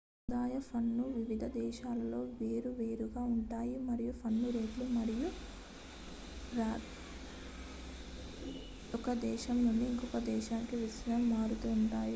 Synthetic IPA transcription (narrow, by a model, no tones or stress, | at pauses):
ud̪aːjɐpʰɐnːuʋiʋid̪ʱɐd̪ɛːʃaːlɐlo̞ːʋe̞ːɾuʋe̞ːɾuɡaːuɳʈaːjimɐɾijupʰɐnːuɾe̞ːdlumɐɾiju | ɾaː | ɔkɐd̪ɛːʃɐmnuɳɖiːŋkɔkɐd̪ɛːʃaːnikiʋisɐɾɐmːaːɾut̪uːɳʈaːji